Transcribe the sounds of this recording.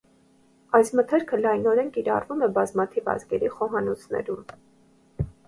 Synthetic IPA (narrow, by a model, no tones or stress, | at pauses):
ɑjsmət̪ʰɛɾkʰəlɑjnɔɾɛnkiɾɑ̰rvumɛbɑzmɑt̪ʰivɑ̰zɡɛɾiχɔɦɑnɔt͡sʰnɛ̰ɾum